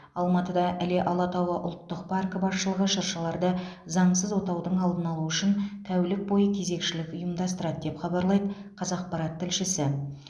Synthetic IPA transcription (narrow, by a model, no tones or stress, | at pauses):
ɑlˠmɑt̪əd̪ɑʔæleʔɑlˠɑt̪ɑwɑʔʊ̰lˠt̪ːəq̚pʰɑrkəbɑsʃəlˠəʁəʃəɾʃəlˠɑɾd̪ə | zɑɴsəzwot̪ɑwd̪əɴɑlˠd̪ənɑlˠuʏʃɪnt̪ʰæwlɪk̚bo̞jəkʲʰe̞ze̞kʃɪlɪkʲʊjəmd̪ɑst̪əɾɑd̪̚d̪e̞pχɑbɑɾlˠɑjd̪əqʰɑzɑq̚pɑɾɑt̪ʰːɪlʃɪsɪ